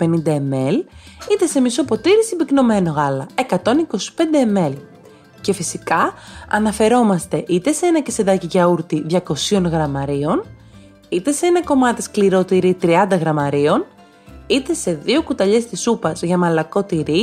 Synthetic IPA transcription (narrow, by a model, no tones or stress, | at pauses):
pe̞nind̪ɐemelit̪e̞se̞miso̞po̞t̪iɾisimbikno̞me̞no̞ɣɐlɐe̞kɐt̪o̞niko̞si̥pe̞nd̪eːme̞l | ce̞fisikɐɐ̰nɐfe̞ɾo̞mɐst̪e̞ʔit̪e̞seenɐcese̞ðɐciʝɐuɾt̪iðʝɐko̞sio̞nɣɾɐmɐɾio̞n | it̪e̞se̞enɐko̞mɐt̪i̥skliɾo̞t̪iɾit̪ɾiɐnd̪ɐɣɾɐmɐɾio̞n | it̪e̞se̞ðio̞kut̪ɐʎe̞st̪isupɐzʝɐmɐlɐko̞t̪iɾi